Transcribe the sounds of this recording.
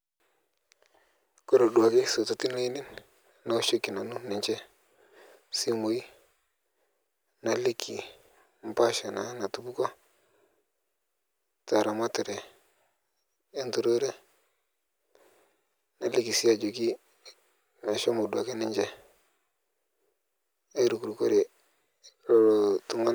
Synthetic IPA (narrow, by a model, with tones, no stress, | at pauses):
ko˦ɾo˨ɗu˨a˨ki˦so˨to˨ti˦no˦i˦nɪ˦n | na˦o˦ʃo˦kːi˨na˨nu˦nɪ˨ɲt͡ʃɛ˦ | si˦mo˨i˦ | na˦li˦kʰːi˨ | m̩˦pa˦ʃa˨na˨˦na˨tu˦bu˦kɔ˦ | ta˨ɾa˨ma˦tɪ˨ɾe˨ | e˦ntu˨ɾo˦ɾe˦ | na˨li˦ki˨si˦a˨d͡ʒo˨ki˦ | me˨ʃo˦mo˨da˨ke˦nɪ˦ɲd͡ʒɛ˦ | e˦ɾu˨ku˨ɾu˨ko˦ɾe˨˦˨ | ɾo˨tu˨ŋa˦